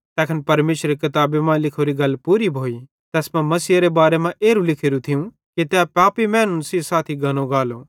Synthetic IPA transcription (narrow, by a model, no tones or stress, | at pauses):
t̪ɛːkʰənpɐɾmeːʃɾekɐt̪aːbemãlɪkʰoːɾiɡɐlːpuːɾibʱoːi | t̪ɛːsmɛ̃mɐsiːɾebaːɾemãʔeːɾũlɪkʰeːɾũt̪ʰɪũ | kit̪eapaːpimɛ̃ːnʊnsisaːt̪ʰiɡʱɐñõɡaːloː